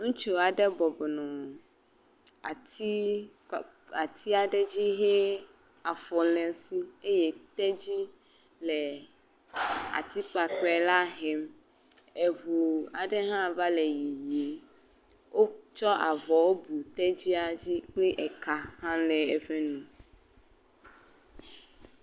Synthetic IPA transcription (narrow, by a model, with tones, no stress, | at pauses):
ŋũ˦t͡ʃo˨a˨ɖe˦bɔ˨bɔ˨nɔ̃˨ | a˨t̪i˦˨ | a˨t̪ʰi˦a˨ɖe˦d͡ʑi˦ɦe˦ | a˨fɔ˨lɛ̃˨si˦e˦je˨t̪ɛ˦d͡ʑi˦ | lɛ˨ | a̰˨t̪i˦k͡pa˨k͡pɛ˨la˦ɦɛ˨m | e˨vu˨a˨ɖe˦ɦã˦va˦le˨ji˨ji˨˦ | wo˦t͡ʃɔ˦ʔa˨vɔ˨wo˦bu˨t̪ɛ˦d͡ʑi˦a˨d͡ʑi˦k͡pi˦ʔɛ˨ka˦hã˦lɛ˨e˨fe˦nũ˨